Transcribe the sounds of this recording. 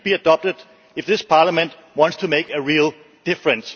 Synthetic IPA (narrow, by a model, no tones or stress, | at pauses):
b̥iɨdɑp̚tɨd | ɪfðɪspʰɑːləmə̃nd | wɑ̃ntstʰumeɪkɨɹilˠ | d̥ɪfɹɨ̃ns